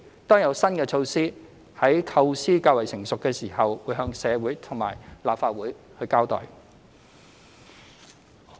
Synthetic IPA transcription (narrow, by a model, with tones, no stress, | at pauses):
t̪ɔː˥ŋjɐ˨˧wsɐ˥nkɛː˧t͡ʃʰo˧wsiː˥ | hɐ˨˥jkʰɐ˧wsiː˥kaː˧wɐ˨˩jsɪ˨˩ŋsʊ˨kːɛː˧siː˨˩hɐ˨wwuː˨˧jɦœː˧ŋsɛː˨˧wuː˨˥jt̪ʰʊ˨˩ŋmaː˨˩jlaː˨p̚faː˧t̚wuː˨˥jhɵ˧ɥkaː˥wt̪ɔ̰ː˨˩j